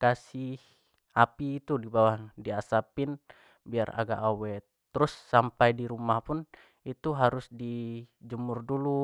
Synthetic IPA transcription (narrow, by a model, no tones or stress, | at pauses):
kasih | apiːt̪udibawahdiasapɪn | biara̰ɡa̰ʔawɛ | t̪əɾʊsːampajdiɾumahpʊn | it̪uɦaɾʊsdid͡ʒumʊrdulu